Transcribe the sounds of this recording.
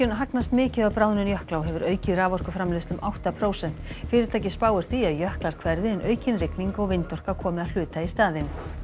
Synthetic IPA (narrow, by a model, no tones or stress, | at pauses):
ʏnɦaknast̪mɪːcɪðapɾaːwðʏnʏnjœhklawɦɛvʏɾœːɥcɪðraːvɔr̥kʏfɾamlɪst̪ʏmʔawht̪apʰɾoːwsɛn̥t̪fɪːɾɪɾt̪ʰajcɪ̥spaːwʏɾ̥θiaðjœhklaɾ̥kʰvɛɾðɪɛnʔœːɥcɪnrɪkniŋkɔɣvɪjnt̪ɔr̥kakʰɔːmɪðaðl̥ʏːt̪aist̪aːðɪn